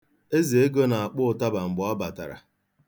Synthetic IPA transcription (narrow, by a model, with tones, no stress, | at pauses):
e˦ze˨e˦ɡo˦na˨a˨k͡pʊ˦ʊ˨ta˦ba˨ŋ͡m̩˨ɡ͡bʊ˨a˦ba˨ta̰˨ɾa̰˨